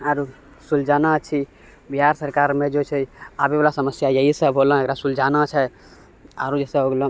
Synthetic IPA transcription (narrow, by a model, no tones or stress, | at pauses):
aɾu | suld͡ʒanat͡ʃʰi | biɦaɾsəɾkaɾmẽd͡ʒot͡ʃʰɛabebalasəməsjajəɦisəbɦolɦekɾasuld͡ʒanat͡ʃʰɛ | a̰ɾud͡ʒɛsẽɦoɡlo